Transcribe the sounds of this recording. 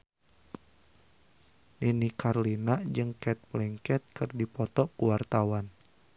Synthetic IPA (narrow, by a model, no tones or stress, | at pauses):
ninikarlinad͡ʒɨŋkɛt̪̚blɛŋkɛt̪̚kɨrdipɔt̪ɔkuwart̪awan